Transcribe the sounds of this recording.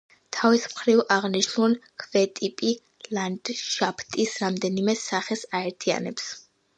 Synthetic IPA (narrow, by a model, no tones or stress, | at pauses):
t̪ʰavismχɾivaʁniʃnulkʰvɛt̪ʼipʼi | land̪ʃapʰt̪ʼisɾamd̪ɛnimɛsaχɛsaɛɾt̪ʰia̰nɛps